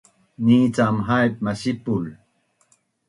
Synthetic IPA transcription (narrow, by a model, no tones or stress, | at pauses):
niːt͡samɦajp̚mɐɕipul